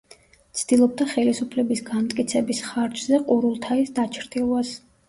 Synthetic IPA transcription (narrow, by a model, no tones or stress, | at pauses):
t̪sʰd̪̥ilˠɔb̚d̪aχɛlisupʰlɛbisɡamt̪ʼkʼit̪sʰɛbisχaɾd͡ʒzɛqʼuɾulˠt̪ʰaisd̪at͡ʃʰɾd̪ilˠwas